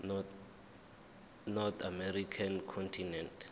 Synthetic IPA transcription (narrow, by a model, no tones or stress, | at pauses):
nɔt̪ʰamɛɾikʰankʰɔntʰinɛnt